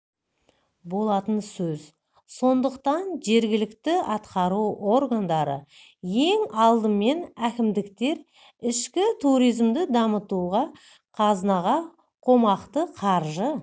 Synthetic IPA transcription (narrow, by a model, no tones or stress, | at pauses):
bo̞lˠɑt̪ənsɵz | so̞nd̪əqt̪ɑnʒe̞ɾɡʲɪlɪkt̪ɪɑt̪qɑɾuʔo̞ɾɡand̪ɑɾə̰ | je̞ŋɑlˠd̪əme̞nækʲɪmd̪ɪkt̪e̞ɾ | ɪʃkʲɪt̪ʰuɾijzmd̪ɪd̪ɑmət̪uʁɑ | qʰɑznɑʁɑ | qʰo̞mɑqt̪əqʰɑɾʒə